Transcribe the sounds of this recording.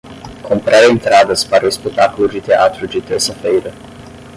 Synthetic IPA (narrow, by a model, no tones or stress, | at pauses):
kʰompɾaɾent̪ɾad̪ɐspaɾɐespet̪ːaklʊd͡ʒɪt̪eat̪ɾʊd͡ʒɪt̪eɾsɐfejɾɐ